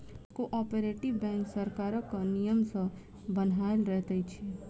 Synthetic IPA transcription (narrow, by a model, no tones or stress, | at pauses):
koʔɔːpeɾeʈɪʋbɛ̃ːŋksəɾkaːɾəkənijəmsə̃ | bənaːɪlɾɛɦt̪ait͡ʃʰe